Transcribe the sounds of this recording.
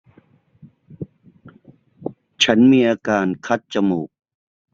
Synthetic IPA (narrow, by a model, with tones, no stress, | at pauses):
t͡ɕʰa˦˥nmiː˧ʔaː˧kaː˧nkʰa˦˥t̪̚t͡ɕa˧muː˨˩k̚